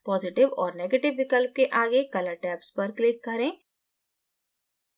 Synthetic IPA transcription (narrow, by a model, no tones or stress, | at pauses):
pɔːzɪʈɪʋɔːɾneːɡeʈɪʋːɪkəlp̚keʔaːɡekɐləʈɛːpspɐɾklɪkːɐɾẽː